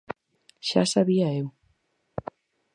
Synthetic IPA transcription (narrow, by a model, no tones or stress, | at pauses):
ʃa̰saβiaew